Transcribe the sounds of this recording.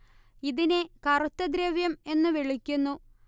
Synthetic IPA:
iðinekɐrut̪ːɐd̪ɾeʋjɐme̞nːɨʋeɭikʲːunːu

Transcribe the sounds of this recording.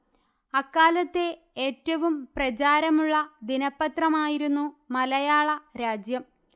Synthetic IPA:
ɐkːaːlɐt̪ːe̞ | eːtːɐʋumprɐt͡ɕaːɾɐmuɭːɐd̪inɐpːɐt̪rɐmaːjiɾunːumɐlɐjaːɭɐɾaːd͡ʑjɐm

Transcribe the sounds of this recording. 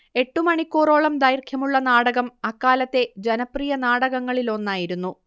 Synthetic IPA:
e̞ʈːumɐɳikːoːro̞ːɭɐmd̪ajrkʰjɐmuɭːɐnaːɽɐɣɐmɐkːaːlɐt̪ːe̞d͡ʑenɐprijɐnaːɽɐɣɐŋːɐɭilo̞nːaːjiɾunːu

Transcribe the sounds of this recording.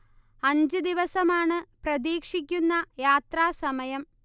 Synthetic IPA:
ɐɲd͡ʑɨd̪iʋɐsɐmaːɳɨprɐd̪iːkʂik̬ʲːunːɐjaːt̪raːsɐmɐjɐm

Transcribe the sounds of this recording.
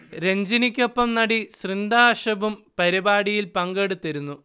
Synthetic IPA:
ɾe̞ɲd͡ʑinikʲːo̞pːɐmnɐɽisrind̪aːʂɐbumpɐɾibaːɽijilpɐŋɡe̞ɽut̪ːɐɾunːu

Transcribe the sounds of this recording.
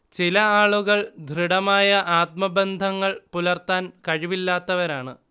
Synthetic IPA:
t͡ɕilɐaːɭuɣɐɭd̪ʱriɽɐmaːjɐʔaːt̪̚mɐbend̪ʱɐŋːɐɭpulɐrt̪aːnkɐɻiʋilːaːt̪ːɐʋɐɾaːɳɨ

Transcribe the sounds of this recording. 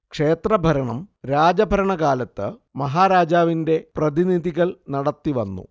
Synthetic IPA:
kʂe̞ːt̪rɐbʱɐɾɐɳɐmɾaːd͡ʑɐbʱɐɾɐɳɐɡaːlɐt̪ːɨmɐɦaːɾaːd͡ʑaːʋinde̞prɐðiniðiɣɐɭnɐɽɐt̪ːiʋɐnːṵ

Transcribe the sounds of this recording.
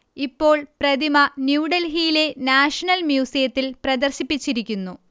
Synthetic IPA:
ipːo̞ːɭprɐd̪imɐnjuːɖɐlɦijile̞naːʂɐnɐlmjuːsijɐt̪ːilprɐd̪ɐrɕipːit͡ɕːiɾikʲːunːu

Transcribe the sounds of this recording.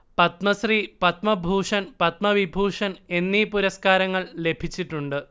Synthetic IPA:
pɐt̪mɐsripɐt̪mɐbʱuːʂɐnpɐt̪̚mɐʋibʱuːʂɐne̞nːipuɾɐskaːɾɐŋːɐɭle̞bʱit͡ɕːiʈːuɳɖɨ

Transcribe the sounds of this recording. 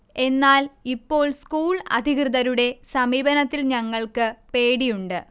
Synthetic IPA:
e̞nːaːlipːo̞ːɭskuːɭɐ̰d̪ʱikrɨðɐɾuɽe̞sɐmiːbɐnɐt̪ːilɲɐŋːɐɭkɨpe̞ːɽijuɳɖɨ

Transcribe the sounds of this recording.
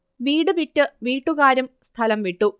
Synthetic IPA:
ʋiːɽɨʋitːɨʋiːʈːuɣaːɾumst̪ʰɐlɐmʋiʈːu

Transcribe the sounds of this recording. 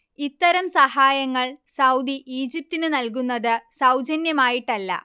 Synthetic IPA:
it̪ːɐɾɐmsɐhaːjɐŋːɐɭsɐwd̪iʔiːd͡ʑip̚t̪inɨnɐlkunːɐðɨsɐwd͡ʑɐnjɐmaːjiʈːɐlːɐ̰

